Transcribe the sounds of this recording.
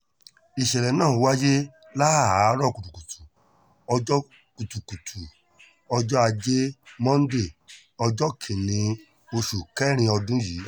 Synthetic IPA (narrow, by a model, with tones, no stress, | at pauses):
i˨ʃɛ˨lɛ˨nãː˦˨˧wa˦je˦ | la˦˨a˨˦ɾɔ˦˨ku˨tu˨ku˨tʰu˨ | ɔ˧d͡ʒɔ˦ | ku˨tu˨ku˨tʰu˨ | ɔ˧d͡ʒɔ˦a˧d͡ʒe˦mɔ̃˦n̩˦de˦˨ | ɔ˧d͡ʒɔ˦kʰĩ˨nĩ˨˧ | o˧ʃu˨kɛ˦ɾ̃ĩ˧ɔ˧dũ˦jiː˨˦